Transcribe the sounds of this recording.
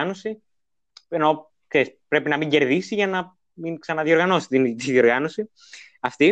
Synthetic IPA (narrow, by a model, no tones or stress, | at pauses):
no̞si | eno | kseispɾe̞pinɐmiɲɟe̞ɾðisiʝɐnɐ | minksɐnɐðio̞ɾɣɐno̞si̥t̪int̪iðio̞ɾɣɐno̞si | ɐft̪i